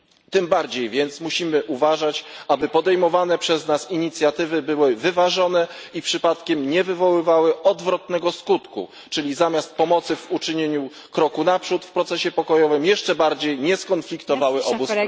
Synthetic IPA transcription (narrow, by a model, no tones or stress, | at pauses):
t̪ɘmbaɾd͡ʑejvʲjɛnt̪smuɕimɘʔuvaʐat͡ɕʔabɘpɔd̪ɛjmɔvanɛpʂɛznasiɲit̪sʲjat̪ɘvɘbɘwɘvɘvaʐɔnɛipʂɘpat̪kʲɛmɲɛvɘvɔwɘvawɘʔɔd̪vɾɔt̪nɛɡɔskut̪kṵ | t͡ʂɘlʲizamʲjast̪̚pɔmɔt̪sɘvut͡ʂɘɲeɲu | kɾɔkunapʂut̪fpɾɔt̪sɛɕɛpɔkɔjɔvɘmjɛʂt͡ʂɛbaɾd͡ʑejɲɛskɔnflʲikt̪ɔvawɘʔɔbus